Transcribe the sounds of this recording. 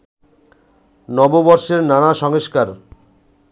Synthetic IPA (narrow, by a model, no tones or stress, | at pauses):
nɔbobɔɾʃeɾnanaʃɔŋoʃkaɾ